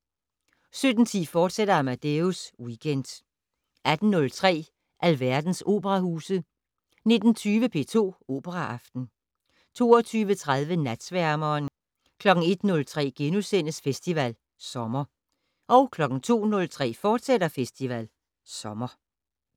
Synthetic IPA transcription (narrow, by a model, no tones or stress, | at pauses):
sød̥n̩t͡sʰḭːfɒːd̥sed̥ɐɑmæd̥euswiɡ̥ʰend̥ | æd̥n̩nɔ̽lt͡sʰʁɛ̰ː | ʔælʋæɐ̰d̥n̩so̝̰ːb̥əʁɑhṵːsð̩ˠ | ne̝d̥n̩t͡sʰyːʋəpʰe̝̰ːt͡sʰo̝̰ːo̝ːb̥əʁɑʔɑ̈fd̥n̩ | t͡sʰo̝̰ːɐt͡sʰyːʋət͡sʰʁað̞ˠʋənæd̥sʋæɐmɒːn | kʰlɒ̽ɡ̥ŋ̩e̝d̥nɔ̽lt͡sʰʁɛ̰ːɡ̥enusen̰əsfesd̥iʋæl | sɒ̽mɐ | ʔɒ̽ʊkʰlɒ̽ɡ̥n̩t͡sʰo̝̰ːnɔ̽lt͡sʰʁɛ̰ːfɒːd̥sedɐfesd̥iʋæl | sɒ̽mɐ